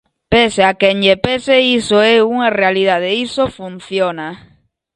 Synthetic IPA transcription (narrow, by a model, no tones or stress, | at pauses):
peseakenʎepeseisoeuŋarealiðaðeisofun̟θjona